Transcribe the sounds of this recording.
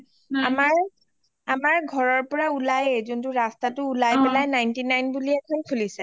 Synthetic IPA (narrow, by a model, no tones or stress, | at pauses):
amaɹ | amaɹɡʱɔɹɔɹpɔɹaulajezɔntʊɹastatʊːlajpɛlajnajntinajnbuliɛkʰɔnkʰulisɛ